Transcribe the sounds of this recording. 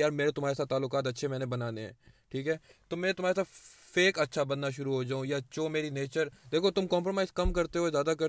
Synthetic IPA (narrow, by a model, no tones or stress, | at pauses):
jaːɾmeːɾet̪ʊm̤ɦaːɾesaːt̪aːlːʊkaːt̪ɐtːʃʰemɛ̃ːnebɐnaːneɦɛ̰̃ː | ʈʰiːkɦɛːt̪omɛ̃ːt̪ʊmaːɾesaːfeːkɐtːʃʰabɐnːaʃʊɾuɦod͡ʒaːũjat͡ʃoːmeːɾineːt͡ʃəɾd̪eːkʰot̪ʊmkɔ̃ːmpɾomaːɪzkɐmkɐɾt̪eɦozjaːd̪akɐɾ